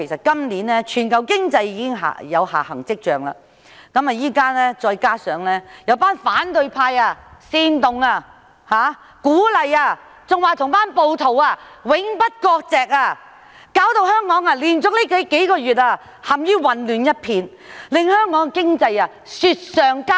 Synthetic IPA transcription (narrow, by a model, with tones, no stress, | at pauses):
e˨˩jsɐ˨t̚kɐ˥mniː˨˥nlɛː˥t͡ʃʰyː˨˩nkɐ˨˧wkɪ˥ŋt͡sɐ˧jːiː˧˥kɪ˥ŋɦa̰ː˨jɐ˨˧wha̰ː˨˩hɐ̰˨˩ŋt͡sɪ˥k̚t͡ʃœː˨ŋla̰ː˨ | kɐ˨˥ma˨jiː˥kaː˥nɛː˥t͡ʃɔː˧jkaː˥sœː˨˥ŋlɛː˥jɐ˨˧wpaː˥nfaː˨˥nt̪ɵ˧ɥpʰaː˧jaː˧siː˧nt̪ʊ˨ŋaː˧ | haː˨˧ | kuː˨˥lɐ˨jaː˧ | t͡sʊ˨ŋwaː˨˩t̪ʰʊ˨˩ŋpaː˥npo˨˧wt̪ʰo˨˩waː˧wɪ˨˥ŋpɐ˥t̚kɔː˧k̚t͡sɛː˨k̚aː˧ | kaː˨˥wt̪o˧whœː˥ŋkɔː˨˥ŋaː˧liː˨˩nt͡sʊ˨˥kli˥ke˨˧˥ke˨˥jkɔː˧jyː˨t̚aː˧ | hɐ˨mjiː˥wɐ˨˩nlyː˨˩njɐ˥t̚pʰiː˧n | lɪ˨˧ŋhœː˥ŋkɔː˨˥ŋ˧kɪ˥ŋt͡sɐ˧jaː˧ | syː˧t̚sœː˨ŋkaː˥